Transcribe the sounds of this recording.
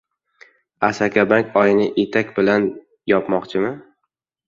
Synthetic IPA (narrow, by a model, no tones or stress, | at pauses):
asakʲʰabaŋkʲɒjɪnɪʔet̪ʰakʲbɪlan | jɒpmɒqt͡ʃʰɪmɪ